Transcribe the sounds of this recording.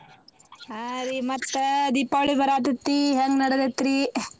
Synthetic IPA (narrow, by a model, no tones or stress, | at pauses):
aɾimɐt̪ːɐd̪ipːaʋɭibʱɐɾaːt̪̬ɐt̪ːiɦeŋɡnɐɽɐd̪et̪ːɾi